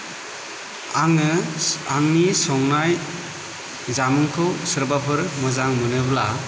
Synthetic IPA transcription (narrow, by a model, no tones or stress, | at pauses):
ŋ | aŋnisɔŋnaj | zamɯŋkʰɯsɯɾbapʰɯɾmɔzaŋmɯnɯbla